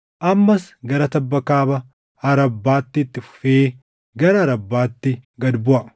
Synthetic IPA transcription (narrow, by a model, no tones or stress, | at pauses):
ʔɐmːɐsɡɐɾɐt̪ɐbːɐkaːbɐ | ɐɾɐbːaːt̪ːɪːt̪ːɪfʊ̥feː | ɡɐɾɐɐɾɐbːaːt̪ːɪɡɐd̪bʊʔɐ